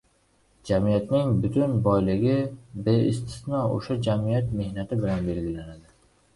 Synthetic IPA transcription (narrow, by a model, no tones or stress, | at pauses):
d͡ʒamijat̪nɪŋbʊt̪ʰʊnbɒjlɪɡʲɪbeɪst̪ʰɪ̥snɒo̰ʃad͡ʒamijat̪me̞hnat̪ʰɪbɪlanbe̞lɡʲɪlanad̪ɪ